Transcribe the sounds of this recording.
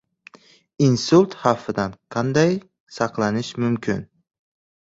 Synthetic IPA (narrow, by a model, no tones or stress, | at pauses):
insʊlˠt̪hɑfːɪd̪anqʰɑnd̪aj | sɑqlˠanɪʃmʊmkʲʰɪn